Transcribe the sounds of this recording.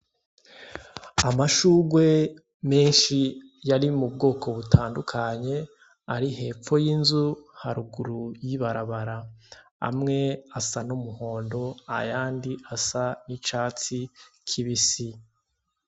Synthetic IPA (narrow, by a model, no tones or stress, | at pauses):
amaʃuːɡwe̞ | me̞ːnʃi | jaɾimub̚ɡo̞ːkʰo̞βutʰaːndukʰaɲe̞ | aɾihe̞ːp͡fo̞jinzuhaɾuɡuɾujiβaɾaβaɾaa̰mŋe̞asanumuho̞ːndo̞a̰jaːndiʔasanit͡ʃaːt͡sikʰiβisi